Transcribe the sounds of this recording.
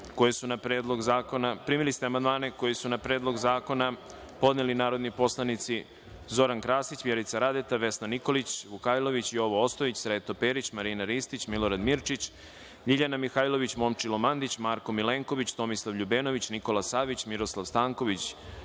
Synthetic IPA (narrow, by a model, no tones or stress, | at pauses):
ko̞jesunapɾeːd̪lˠo̞ɡzaːkonapɾimilist̪eamand̪maːneko̞jisunapɾe̞ːd̪lˠo̞ɡzaːko̞na | po̞d̪nelinaːɾo̞d̪nipo̞slˠanit̪si | zo̞ɾankɾaːsit͡ɕʋjeɾit̪saɾad̪et̪aʋe̞snaniko̞lit͡ɕʋukajlˠo̞ʋit͡ɕio̞ʋoost̪oit͡ɕsɾet̪o̞peːɾit͡ɕmaɾinaɾist̪it͡ɕmilˠo̞ɾad̪miɾt͡ʃit͡ɕ | ʎiʎanamixajlˠo̞ʋit͡ɕmo̞mt͡ʃilˠomand̪it͡ɕmaːɾko̞mileːŋko̞ʋit͡ɕt̪o̞mislˠaʋʎubeːno̞ʋit͡ɕniko̞lasaʋit͡ɕmiɾo̞slˠaʋst̪aːŋko̞ʋit͡ɕ